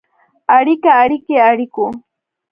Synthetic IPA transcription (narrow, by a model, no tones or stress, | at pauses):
aɾɪkaːɾɪkeaɾɪkʊ